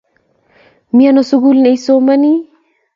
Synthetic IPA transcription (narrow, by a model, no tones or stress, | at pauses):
mianosuɡulnejsomani